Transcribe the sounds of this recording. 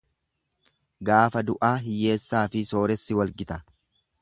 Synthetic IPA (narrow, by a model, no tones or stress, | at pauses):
ɡaːfɐd̪ʊʔaːɦɪje̞ːsːaːfɪso̞ːɾɛsːɪwɐlɡɪt̪ɐ